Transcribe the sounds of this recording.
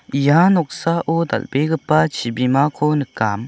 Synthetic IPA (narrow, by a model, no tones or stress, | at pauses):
ijanɔk̚saʔɔd̪a̰lbeɡɯpat͡ʃʰibimakʰɔnɯkːam